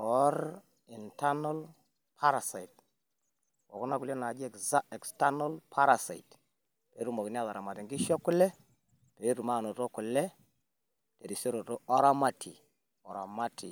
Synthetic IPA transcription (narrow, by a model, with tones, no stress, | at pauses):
ɔ˦ɾ | i˨nta˦na˦l | pʰa˦ɾa˨sa˨i˨t | wɔ̰˨ku˦na˦ku˨le˦na˨d͡ʒi˦ɛ˨kza˦ɛ˨ksta˦nɔ˦lpʰa˦ɾa˨sa̰˨i˨t | te˨i˦ɾu˦mo˨ki˨n˦a˦ða˨ɾa˨ma˨ti˨ŋɡi˦ʃɔ˦ku˦lɛ˦ | te˨ɾi˦ɾu˨ma˦˨no˨tɔ˦ku˨lɛ˦ | te˨ɾi˨se˦ɾo˨tɔ˦ɔ˦ɾa˦ma˦tʰḭ˨ | ɔ˨ɾa̰˨ma˦tʰḭ˨